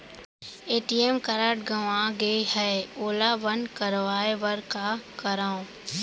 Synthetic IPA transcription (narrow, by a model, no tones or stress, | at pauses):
eːʈiemkɐɾaʈ̚ɡəʋãɡehɛoːlaʋənkɐɾʋaːeʋəɾkakɐɾaːõ